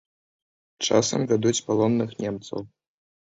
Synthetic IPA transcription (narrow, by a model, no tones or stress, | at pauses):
t͡ʂa̰sɐ̰mvʲad̪ut͡sʲpalˠɔnːɨxnʲɛmt̪sɐ̰w